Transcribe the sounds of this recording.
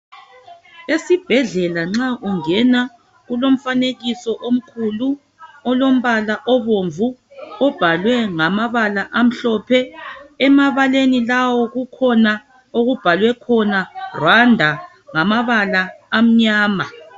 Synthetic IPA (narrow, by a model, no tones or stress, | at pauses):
esib̥ʱɛɮɛlaŋ͡ǁaʔuŋɛna | ɣulom̩faneɣisɔʔom̩kʰulu | ɔlom̩βalaʔɔβoɱvuɔb̥ʱalwɛŋamaβalaʔam̩ɬɔpʰɛɛmaβalenilawɔɣukʰɔna | oɣub̥ʱalwɛkʰɔnarwandʱa | ŋamaβalaːm̩ɲaːma